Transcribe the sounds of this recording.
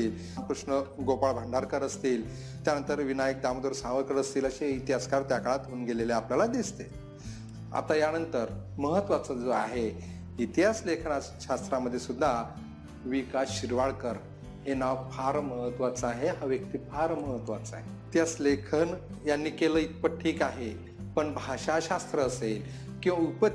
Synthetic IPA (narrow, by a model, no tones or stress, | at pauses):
iːl | pɾuʂnəɡopaɭbʱəɳɖʱaɾkəɾəst̪iːl | t̪janənt̪əɾʋinajək̚d̪amd̪oɾsaʋəɾkəɾəst̪iːləɕeit̪ijaskaɾt̪jakaɭat̪uːnɡeleleapljalad̪ist̪e | a̰t̪ajanənt̪əɾməɦət̪ːʋat͡səd͡zoaɦe | it̪ijaslekʰənaɕast̪ɾaməd̪ʱːjesud̪ʱːa | ʋikasɕiɾʋaɭkəɾ | ɦenaʋfʰaɾməɦət̪ːʋat͡səaɦeɦaʋjək̚t̪ipʰaɾməɦət̪ːʋat͡səa̰ɦeit̪jaslekʰən | janːiːkeləit̪̚pəʈʰiːkaɦe | pəɳbʱaɕaɕast̪ɾəːsel | kĩw̃ʋaupə